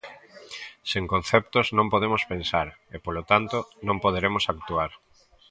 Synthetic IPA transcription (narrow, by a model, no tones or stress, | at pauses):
seŋkõn̟θɛp̚t̪oznõmpoð̞emospensaɾepolot̪ant̪onõmpoð̞eɾemosak̚t̪uaɾ